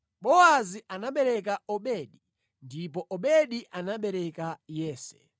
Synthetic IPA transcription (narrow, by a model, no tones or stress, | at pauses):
ɓɔaziʔanaɓɛɾɛkaɔɓɛɗi | ndipɔʔɔɓɛɗiʔanaɓɛɾɛkajɛːsɛ̥̰